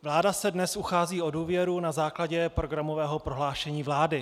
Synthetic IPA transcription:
vlaːdasɛdnɛsuxaːziːo̞duːvjɛɾunazaːklaɟɛpɾo̞ɡɾamo̞vɛːɦo̞pɾo̞ɦlaːʃɛɲiːvlaːdɪ

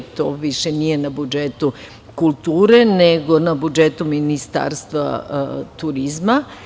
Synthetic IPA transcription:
t̪o̰ʋiʃenije̞nabud͡ʒet̪u | kulˠt̪uːɾe̞neɡo̞nabud͡ʒet̪uminist̪a̰ːɾst̪ʋa̰t̪uɾizma

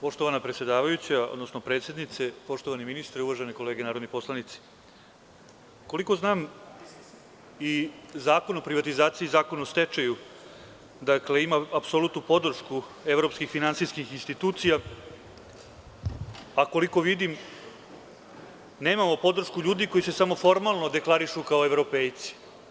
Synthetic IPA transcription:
po̞ʂt̪o̞ʋanapɾetsʲje̞d̪aːʋajut͡ɕaod̪no̞sno̞pɾe̞ːt̪sʲjed̪nit̪sepo̞ʂt̪o̞ʋaniminist̪ɾeuʋaʒeneko̞le̞ːɡenaːɾod̪nipo̞slˠanit̪si̥ | ko̞liko̞znaːm | izaːko̞nopɾiʋat̪izaːt̪siːzaːko̞nost̪et͡ʃaju | d̪akle̞imaːpsolut̪nupo̞d̪r̩ʂku | e̞vɾo̞pskixfinansijskixinst̪it̪uːt̪sija | ako̞liko̞ʋid̪im | neːmamo̞po̞d̪r̩ʃkuʎuːd̪iko̞jisesamo̞fo̞ɾmalˠno̞d̪e̞klˠaɾiʃukao̞e̞vɾo̞peːjt̪si̥

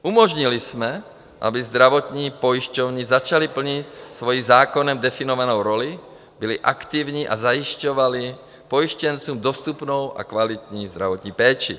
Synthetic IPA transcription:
ʔumɔʒɲilismɛ | ʔa̰bizd̪ɾaʋɔt̪ɲiːpojiʃcɔʊɲizat͡ʃalipl̩ɲicsʋojimzaːkɔnɛmd̪ɛfinɔvanɔʊɾɔli | biliʔakt̪ivɲiːʔazajiʃcɔʋali | pojiʃcɛnt͡suːmd̪ɔst̪upnowʔa̰kʋalit̪ɲiːzd̪ɾaʋɔt̪ɲiːpɛːt͡ʃi

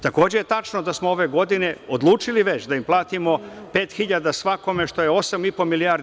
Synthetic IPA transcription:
t̪ako̞ːd͡ʑejet̪at͡ʃnod̪asmoo̞ʋe̞ɡo̞d̪ine̞od̪lˠuːt͡ʃiliʋet͡ɕd̪aimplˠaːt̪imo̞pe̞ːt̪xiʎad̪asʋako̞me̞ʃt̪o̞jeo̞samipo̞milijaɾ

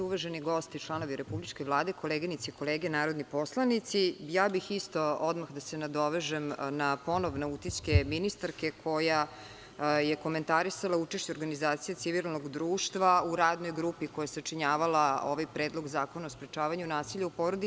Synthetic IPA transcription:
uʋaʒeniɡo̞st̪it͡ʃlˠano̞ʋiɾe̞publit͡ʂkeʋlˠaːd̪ekʰo̞leːɡinit̪siiko̞leɡenaːɾo̞d̪nipo̞slˠanit̪sijaːbixist̪o̞od̪maxd̪ase̞nad̪o̞ʋeʒemnapo̞no̞ʋneut̪it͡ɕkeminist̪aɾke̞kʰo̞ja | jeko̞me̞nt̪aɾisalaut͡ʃe̞ʃt͡ɕeoɾɡanizaːt̪sijet̪iʋilˠno̞ɡd̪ɾuːʃt̪ʋauɾaːd̪no̞jɡɾupiko̞jasat͡ʃiɲaːʋalao̞̰ʋajpɾeːd̪lˠo̞ɡzaːko̞naospɾet͡ʃaːʋaɲunaːsiʎaupoɾod̪i

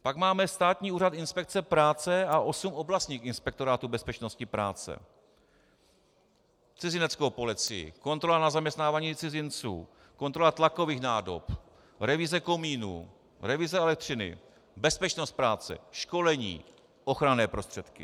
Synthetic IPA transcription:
paɡmaːmɛst̪aːt̪ɲiːuːɾat̪ɪnspɛk̚t͡sɛpɾaːt͡sɛaʔo̞sumʔo̞blast̪ɲiːxɪnspɛk̚t̪o̞ɾaːt̪ubɛspɛt͡ʃno̞scɪpɾa̰ːt͡sɛ̰ | t͡sɪzɪnɛt͡skowpo̞lɪt͡sɪjɪ̰ko̞nt̪ɾolanazamɲɛst̪naːvaːɲiːt͡sɪzɪnt͡sṵː | ko̞nt̪ɾo̞lat̪lako̞viːxnaːdo̰p | ɾɛvɪzɛko̞miːnṵː | ɾɛvɪzɛɛlɛk̚t̪r̝ɪnɪ̰ | bɛspɛt͡ʃno̞st̪̚pɾaːt͡sɛ̰ʃko̞lɛɲḭː | ʔo̞xɾanɛːpɾo̞st̪r̝̥ɛt̪kɪ̰

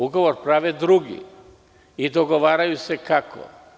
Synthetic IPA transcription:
uɡoʋoɾpɾaʋed̪ɾuɡḭ | id̪oɡoʋaːɾajusekakʰo̰

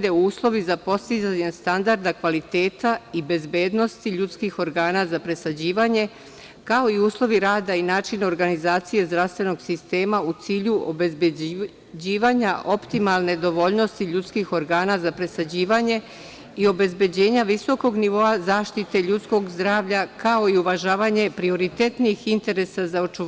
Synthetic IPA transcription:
d̪euːslˠo̞ʋizapo̞st̪izaɲest̪and̪aɾd̪akʋalit̪e̞ːt̪aibe̞zbeːd̪no̞st̪iʎut̪skixo̞ɾɡaːnazapɾe̞sad͡ʑiːʋaːɲe̞ | kao̞iuːslˠo̞ʋiɾaːd̪ainaːt͡ʃinoɾɡanizaːt̪sije̞zd̪ɾaʋst̪ʋe̞no̞ɡsist̪e̞ːmaut̪siːʎuobeb | d͡ʑiːʋaːɲaʔo̞pt̪imalˠne̞d̪o̞ʋo̞ʎno̞st̪iʎut̪skixo̞ɾɡaːnazapɾe̞sad͡ʑiːʋaɲe̞ | io̞be̞zbe̞d͡ʑe̞ːɲaʋiso̞ko̞ɡniʋo̞azaːʃt̪it̪e̞ʎut̪sko̞ɡzd̪ɾaːʋʎakao̞iuʋaʒaːʋaɲe̞pɾio̞ɾit̪e̞t̪niixint̪e̞ɾe̞sazao̞t͡ʃu

